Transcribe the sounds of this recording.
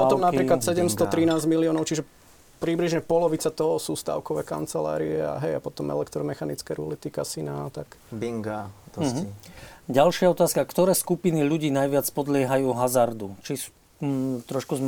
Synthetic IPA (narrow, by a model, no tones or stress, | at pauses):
pɔɔmnapɾiːklasɛɟɛmst̪ɔt̪ɾinaːzɟmiliɔːnɔʊt͡ʃiʒɛ | pɾibliʒɲɛpɔlɔʋit͡sat̪ɔɦɔsuːst̪a̰ʊkɔʋɛ̰ːka̰nt͡sɛla̰ːɾiɛa̰ɦɛjapɔt̪ɔmʔɛ̰lɛkt̪ɾɔmɛxanit͡skɛɾulit̪ikasinat̪akbiŋɡasɦiɟalʃɪaɔt̪aːskakt̪ɔɾɛːskupiniʎuɟiːnajʋɪat͡spɔd̪lɪɛɦajuːɦazaɾd̪ut͡ʃis | t̪ɾɔʃkuzm